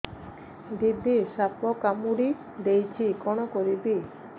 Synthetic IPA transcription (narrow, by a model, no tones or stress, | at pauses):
d̪id̪ʱːiʃapːokamuɽi | d̪ejt͡ɕʰikonokoɾibi